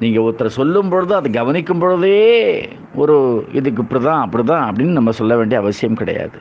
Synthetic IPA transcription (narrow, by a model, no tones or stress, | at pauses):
niːŋɡɐɔt̪ːɐɾɐsɔlːɯmpoɻɯðɯɐðɯɡɐʋɐnɪkʲːɯmpoɻɯðɯeː | ɔɾɯɪ̰ðɯk̬ːɪpːɐɽit̪ãːɐpːɐɽit̪ãːɐpːɐɽɪnːɯnɐmːɐsɔlːɐʋeːɳɖiɐʋɐsɪjɐmkɪɽɐ̰ja̰ːðɯ